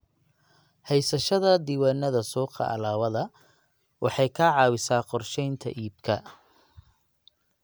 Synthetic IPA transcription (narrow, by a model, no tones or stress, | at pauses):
hɛjsɐʃɐðɐd̪iːwaːnːɐðɐsuːqɑ̰ʔɐ̰laːβɐðɐ | wʔɑħɑjkʰɐʕɑːwɪsaːqɔrʃɛjnt̪ʰɐ̰ʔiːb̚kʰɐ